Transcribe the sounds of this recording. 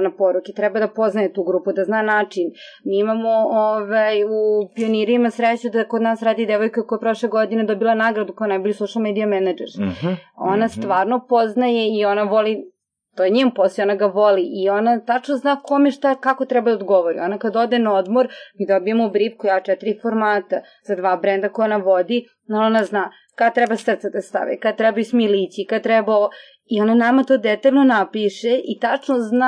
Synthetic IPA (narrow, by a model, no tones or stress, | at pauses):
napoɾuket̪ɾɛbad̪apoznajet̪uːɡɾuːpud̪aznaːnaːt͡ʂin | miːimamooʋajupioniɾimasɾet͡ɕud̪akod̪naːsɾaːd̪id̪eʋojkoekojepɾoʃleɡo̞d̪ined̪obilˠanaːɡɾad̪ukojanajboʎisoʃalˠmed̪ijamɛnad͡ʒḛɾ | onast̪ʋaːɾnopoznajeio̞naʋoli | t̪ojeɲimposeonaɡaʋoliʔio̞nat̪at͡ʂnoznaːkomeʃt̪akakot̪ɾɛbad̪aod̪ɡoʋoɾḭonakad̪od̪enaod̪moɾmid̪obiemoubɾipkojat͡ʃɛt̪iɾifoɾmaːt̪a | z̥ad̪ʋaːbɾend̪akojonaʋod̪i | naonaznaː | kat̪ɾɛbasr̩t̪sed̪ast̪a̰ʋḭkad̪̚t̪ɾɛbajusmilit͡sikad̪̚t̪ɾɛbao | ionanamat̪oːd̪ɛt̪aʎnonapiʃeʔit̪at͡ʂnozna